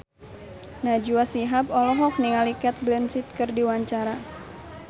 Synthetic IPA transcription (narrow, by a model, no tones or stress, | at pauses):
nad͡ʒuasiɦap̚ɔlɔɦɔk̚niŋalikɛt̪̚blɛnsit̪̚kɨrdiwaɲt͡ʃaɾa